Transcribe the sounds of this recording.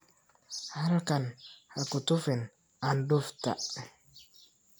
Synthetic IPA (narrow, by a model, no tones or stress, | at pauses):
halkanhakʊt̪ʊfɛn | anduft̪a̰ʔ